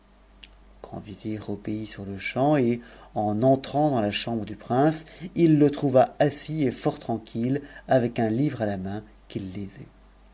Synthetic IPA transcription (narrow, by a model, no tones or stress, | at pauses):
kʰɑ̰̃viveʁəpeisyʁləʃɑ̃eɑ̃nɑ̃t̪χɑ̃d̪ɑ̃laʃɑ̃bʁəd̪ypχɛ̃silːət̪χuvaasiefɔʁt̪χɑ̃kʲʰilavɛkɛ̃livʁalamɛ̃ | kʲilːevɛ